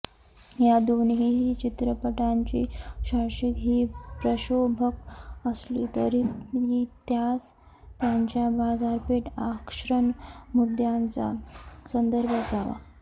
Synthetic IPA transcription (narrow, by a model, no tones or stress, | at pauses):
jad̪onɦiɦit͡ɕit̪ɾəpəʈaɲt͡ɕiɕaɾʂik̪ɦiːpɾəɕobʱəkəslit̪əɾiɦit̪jat͡s | t̪jaɲt͡ɕjabad͡zaɾpeʈakʂɾənmud̪ʱjant͡sa̰sənd̪əɾbʱəd͡zaʋa̰